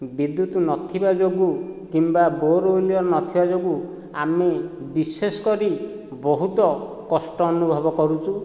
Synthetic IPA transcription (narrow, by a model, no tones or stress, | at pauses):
bid̪jut̪ɔnɔt̪ʰibad͡ʒoɡukimbaboɾoliɔɾnɔt̪ʰibad͡ʒoɡu | ame | bisesɔ̥kɔɾi | bɔɦut̪ɔ | kɔsʈɔːnubʱɔbɔkɔɾut͡ʃʰu